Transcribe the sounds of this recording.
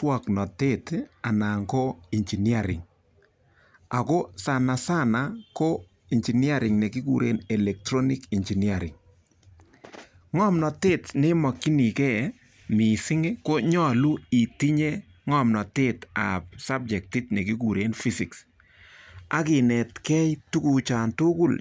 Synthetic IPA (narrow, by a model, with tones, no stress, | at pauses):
twɔ˨knɔ˨te˦ta˨na˨ŋko˦i˨nd͡ʒi˨ni˦a˦˨ɾɪ̰˨ŋ | a˨ko˦sa˨na˨sa˦˨na˨ko˦ | i˨nd͡ʒi˨ni˦a˦ɾɪ˨ŋnɛ˨ki˦kṵ˨ɾḛ˦nɛ˨lɛ˨k̚tɾɔ˦ni˦ki˨nd͡ʒi˨ni˦a˨ɾɪ̰˨ŋ | ŋɔ˦mnɔ˨te˦tnɪ˦mɔ˨kːi˦ni˨kɛ˦ | mi˨sɪ˦ŋe˦ko˦ɲɔ˦lu˦i˨ti˦ɲe˦ | ŋɔ˦˨mnɔ˨te˦ta˨p̚sa˦b̚d͡ʒɛ˨k̚tɪ˦tnɛ˨ki˦ku˨ɾe˦nfi˦si˨ks | a̰˦kɪ˨nɛ˨tkɛ˦jtu˦ku˨t͡ʃa˨ntʊ˦ku˨l